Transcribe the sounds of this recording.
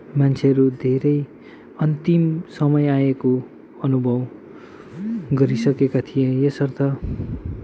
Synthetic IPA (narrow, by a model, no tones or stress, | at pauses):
mant͡sʰeʌɾud̪ʱeɾʌj | ʌnt̪imsʌmʌjaeko | ʌnubʱʌw | ɡʌɾisʌkekat̪ʰijejesʌrt̪ʌ